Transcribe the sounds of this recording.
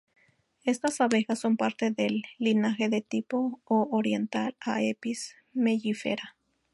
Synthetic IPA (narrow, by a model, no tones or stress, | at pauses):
est̪asaβexasːo̞mpaɾt̪eðelːinaxeðet̪ipoːɾjent̪alaepis | meʝifḛɾa